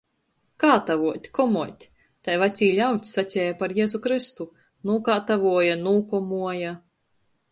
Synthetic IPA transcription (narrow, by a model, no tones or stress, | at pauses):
kaːt̪avuɔt̪ʲkɔmuɔt̪ʲ | t̪ajvat̪sʲiːlʲawt̪ʲsat͡ssʲɛːjapaɾjeːzukɾɨst̪u | nuːɔkaːt̪avuɔjanuːkɔmuɔja